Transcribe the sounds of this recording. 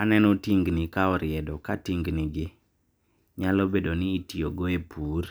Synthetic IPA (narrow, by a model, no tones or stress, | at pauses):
anɛnɔtiŋɡnikaɔɾɪɛdɔkatiŋɡnɪɡɪ | ɲalɔbedonɪːtioɡoepʰuːr